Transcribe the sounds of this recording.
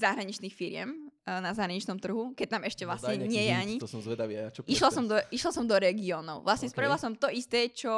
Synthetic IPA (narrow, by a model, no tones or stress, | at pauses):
zaɦɾaɲit͡ʃniːxfiɾɪɛ̰mnazaɦɾaɲit͡ʃnɔmt̪r̩ɦukɛt̪amɛʃcɛʋlasɲɛɲɪɛjɛaɲit̪sɔmzʋɛd̪aʋiajat͡ʃɔiʃlasɔmd̪ɔiʃlasɔmd̪ɔɾɛɡiɔːnɔʊʋlasɲɛspɾailasɔmt̪ɔʔist̪ɛːt͡ʃɔ